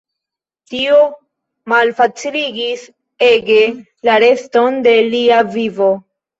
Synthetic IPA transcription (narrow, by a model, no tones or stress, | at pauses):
tio | malfat͡siliɡis | e̞ɡe̞ | laɾe̞sto̞nde̞liavivo̞